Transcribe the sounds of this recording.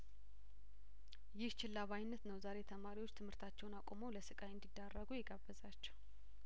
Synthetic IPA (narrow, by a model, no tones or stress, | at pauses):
jɪht͡ʃɪlːaβajnːət̪nəwzaɾe̞t̪ʰəmaɾiwot͡ʃːt̪ʰɨmhɨɾt̪ʰat͡ʃːɛwnakʼomowləsɨkʼajɨnd̪id̪ːarːəɡujɛɡabːəzat͡ʃːɛw